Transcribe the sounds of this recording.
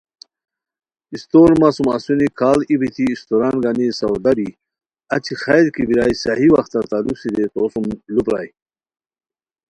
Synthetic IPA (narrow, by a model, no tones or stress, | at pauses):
ist̪oɾmasuma̰sunikʰaːlibit̪ʰiːst̪oɾanɡanisawd̪abi | at͡ɕʰixajɾkibiɾaːjsaɦiwa̰xt̪aɾt̪alusid̪et̪osumlupɾa̰ːj